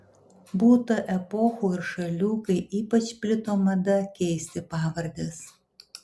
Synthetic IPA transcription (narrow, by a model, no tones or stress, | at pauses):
buːt̪ɐʔɛpɔxuːɪɾʃɐlʲuːkɐɪʔiːpɐt͡ʃpʲlʲɪt̪oːmɐd̪ɐkʲɛɪsʲt̪ʲɪpɑːʋɐɾʲd̪ʲɛs